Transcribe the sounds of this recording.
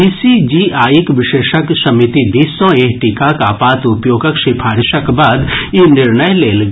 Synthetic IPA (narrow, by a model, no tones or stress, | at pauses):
iːsid͡ʒiʔaːjikʋɪʃeːʃəksɐmit̪id̪iːsõeːɦʈiːkakaːpaːt̪ʊpjoːɡəkʃɪpʰaːɾɪʃəkbaːd̪jenɪɾnəjleːlɡ